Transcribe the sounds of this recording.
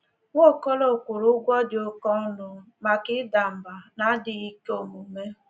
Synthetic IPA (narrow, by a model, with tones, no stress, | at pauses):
ŋo˦˨kɔ˦lo˨kʷʊ˨ɾʊ˦ɡʷɔ˦dɪ˨o˦kɔ˦nʊ˨ | ma˨kɪ˦da˨m̩˨ba˨na˦dɪ˨i˦ko˨mu˨me˦